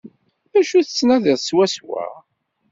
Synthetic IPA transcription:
ðæʃuθət͡sːnæðɪðswæswæ̰

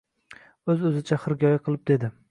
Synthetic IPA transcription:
ɵzɵzɪt͡ʃʰaχɨɾɡʲɒjaqʰɨlˠɪp̚d̪e̞d̪ɪ

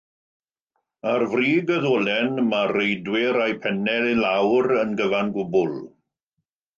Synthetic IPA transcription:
arvriːɡəðoːlɛnmarejdwɪɾajpʰɛnɛlilawɾənɡəvanɡʊbʊlˠ

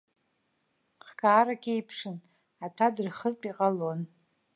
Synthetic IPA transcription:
χkʰaːɾakʲʰʼejpʰʂɨn | atʷʰadɨrχərpʼiqʼalo̞n

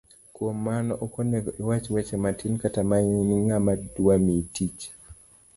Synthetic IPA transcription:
kwomːanɔʔɔkoneɡɔʔiwat͡ʃwɛt͡ʃɛmatʰinkatamaɲniŋamaduamitit͡ʃ

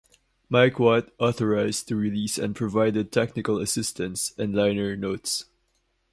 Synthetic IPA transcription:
maɪkwɔtɔθɔɹaɪztɨɹilisɛ̰̃npʰɹ̥ɔvaɪdɨd̚tʰɛknɪkələsɪstʰə̃nsɨ̃nlãɪ̃nə˞noʊts

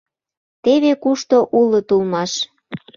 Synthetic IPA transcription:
t̪eβekuʃt̪oʔulɤ̆t̪ulmɑʃ

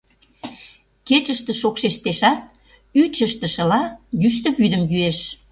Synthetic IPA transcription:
ket͡ɕəʃt̪ə̆ʃokʃeʃt̪eʃɑt̪̚ | yt͡ɕəʃt̪ə̆ʃə̆lɑjyʃt̪ə̆βyd̪əmjyeʃ

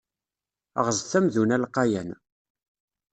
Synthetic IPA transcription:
ə̰ʁəzθæmðunælqːɑjæn

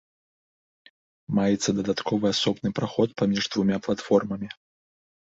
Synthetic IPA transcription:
majɛt̪sːɐd̪ɐd̪at̪kʰɔvɨasɔbnɨpɾaxɔt̪̚pamʲiʐd̪vumʲaplˠat̪fɔrmɐmʲi

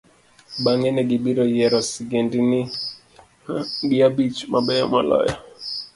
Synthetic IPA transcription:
ɓaŋɛnɛɡiɓiɾɔjɛɾɔsiɡɛndini | ɡiabit͡ʃmaɓɛama̰lɔ̰jɔ̰

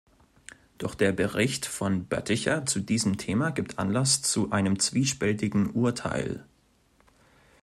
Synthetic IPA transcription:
d̥ɔχd̥eːɐbəʁɪçtfɔnbœ̰tɪçɐ̰t͡sudiːzəm̩tʰeːmaɡiːp̚tʔa̰nlast͡suʔaɪnəmt͡sv̥iːʃpɛltɪɡŋ̩ʔuːɐtʰa̰ɪl

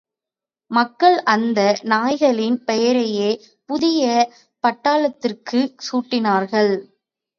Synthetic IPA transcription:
mɐkːɐɭʔɐnd̪ɐnaːjɣɐɭɪnpɛjɐɾɐjeː | pʊðɪjɐ | pɐʈːaːlɐt̪ːɪrkɯsuːʈːɪnaːɾɣɐɭ

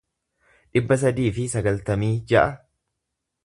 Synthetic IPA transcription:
ᶑɪbːɐs̬ɐd̪iːfɪsɐɡɐlt̪ɐmiːd͡ʒɐʔɐ

